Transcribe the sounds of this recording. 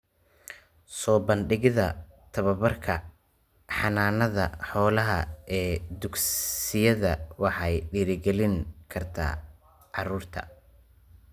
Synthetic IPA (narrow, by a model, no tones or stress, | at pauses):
sɔːbɐnɖɪɣɪðɐt̪ʰɐβɐβɐrkʰɐ | ħɑnaːnɐðɐ̰ħɔːlɐɦɐɛːd̪ʊɡsɪjɐðɐwɑħɑjɖiːɾɪɡɛlɪŋkʰɐrt̪ʰa̰ː | ʕɑruːrt̪ʰɐ̰